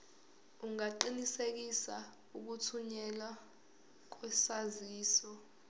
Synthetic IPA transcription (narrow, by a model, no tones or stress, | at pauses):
uŋaǃinisek̬isa | uk̬utʰuɲɛla | k̬wɛsaziːsɔ